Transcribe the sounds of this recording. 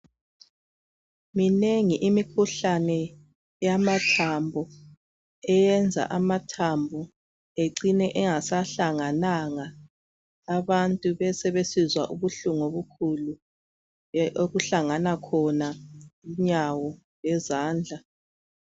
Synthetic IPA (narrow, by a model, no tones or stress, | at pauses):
mineŋiʔimikʰuɬanɛ | jamatʰambʱɔ | ɛjɛnd͡zʱa̰ʔamatʰambʱɔ | eǀinɛʔɛŋasaɬaŋanaŋaː | βantʼuβɛsɛβesizwa̰ʔuβuɬuŋoβukʰulu | oɣuɬaŋanakʰɔnaiɲawɔ | jɛzaːnd͡ɮʱa